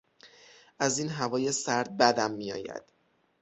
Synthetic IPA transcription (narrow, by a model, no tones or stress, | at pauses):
ʔæziːnɦævɒːjesæɾd̪̚bæd̪æmːijɒ̰ːjæ̰d̪̥